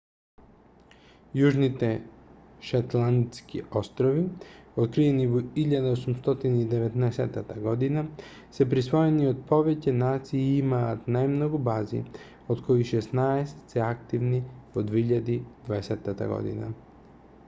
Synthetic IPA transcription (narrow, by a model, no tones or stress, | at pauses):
juʒnit̪ɛ | ʃat̪lˠant̪skḭo̞st̪ɾoʋiot̪̚kɾijenivuiʎad̪aosumst̪ot̪inaid̪eʋet̪neset̪at̪aɡod̪ina | sepɾisʋo̞jeniod̪̚po̞ʋecenaːt̪sieimaːt̪najmnoɡubaːzḭ | od̪kʰojiʃesnaest̪sɛakt̪iʋnivod̪ʋeiʎad̪id̪vaeset̪at̪a̰ɡo̰d̪ḭna̰